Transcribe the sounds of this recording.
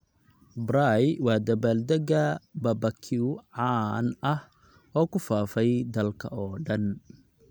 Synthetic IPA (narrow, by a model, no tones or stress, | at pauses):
bɾajwɑːd̪ɐβaːld̪ɐɣɐbɐbɐkʰɪʊʕɑnɐh | ɔːkʰʊfaːfɛjd̪ɐlkʰɐ̰ɔːɖɐn